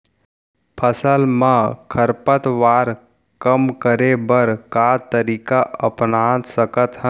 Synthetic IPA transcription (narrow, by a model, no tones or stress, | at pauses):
pʰəsəlmə̃kʰəɾpət̪ʋaːɾ | kəmkəɾebəɾkat̪əɾiːkaʔəpnad̪səkət̪ɦə